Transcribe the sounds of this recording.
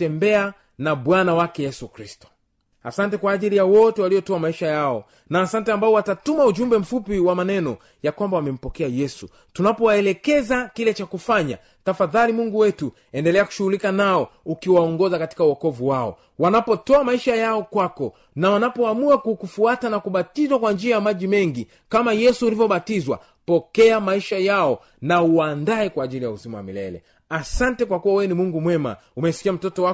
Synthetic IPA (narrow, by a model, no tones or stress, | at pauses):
tɛmbɛa | naɓwanawakɛjɛsukɾistɔ̥ | a̰santɛkwaːʄilijawɔtɛwalijɔtɔamaiʃajaɔ̰ | naːsantɛambaɔwatatumauʄumbɛm̩fupiwamanɛnɔ | jakwambawamɛm̩pɔkɛajɛsu | tunapɔwaɛlɛkɛzakilɛt͡ʃakufaɲa̰ | tafaðalimuŋɡuwɛtu | ɛndɛlɛaku̥ʃuhulikanaɔukiwaɔŋɡɔzakati̥kauɔkɔvuwaɔ̰ | wanapɔtɔamaiʃajaɔkwakɔ | nawanapɔamuakukufuatanakuɓatizwakwand͡ʒiajamaʄimɛŋɡi | kamajɛsuːlivjɔɓatizwa̰ | pɔkɛamaiʃajaɔ | nauaːndaɛkwaːʄilijauzimawa̰mḭlɛ̰lɛ̰ | asantɛkwakuwawɛɛnimuŋɡumwɛma̰ | umɛsi̥kiam̩tɔtɔwa